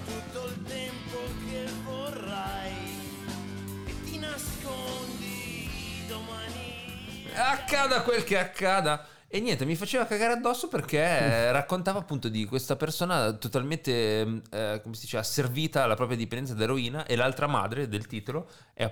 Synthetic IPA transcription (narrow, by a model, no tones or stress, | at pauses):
t̪ut̪ːoilt̪ɛmpokʰevorːaj | ket̪ːinaskond̪i | d̪omani | akːaːd̪akwelk̟eakːaːd̪a | enːjɛnt̪emifat͡ʃeːvakaɡaːɾead̪ːɔsːoperk̟erakːont̪aːvaːpːunt̪od̪ikwest̪apersoːnat̪ot̪alment̪e | komesid̪iːt͡ʃɛːvasːerviːt̪aːlːapɾɔːpɾjad̪ipend̪ɛnsad̪aɾoiːnaʔelalt̪ɾama̰ːd̪ɾed̪elt̪iːt̪olo | ɛ̰